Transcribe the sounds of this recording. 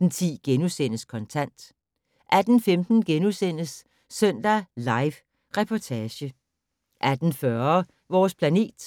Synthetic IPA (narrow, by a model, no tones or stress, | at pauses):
n̩t͡sʰḭːɡ̥enusen̰əskʰɒ̽nt͡sʰæn̰d̥ | ʔæd̥n̩femd̥n̩ɡ̥enusen̰əsː | øn̰d̥ælɑ̈ɪʋ | ʁɛpʰɒt͡sʰɛːɕə | ʔæd̥n̩fɶːɐ | ʋɒːspʰlæne̝̰ːd̥